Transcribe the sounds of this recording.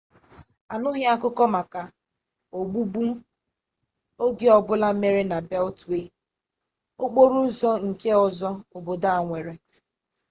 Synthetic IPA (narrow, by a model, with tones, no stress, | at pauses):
a˨nʊ˦ɦɪ˦a˦kʊ˦kɔ˦ma˨ka˨ | o˨ɡ͡bu˦bu˦ | o˦ɡe˦ɔ˨bʊ˦la˦me˦ɾe˦na˨bɛ˦ltwe˨ | o˦k͡po˦ɾu˦zɔ˦ŋ̩˨ke˦ɔ˨zɔ˦ʊ˨bo˨da˦˨ŋʷe˨ɾe˨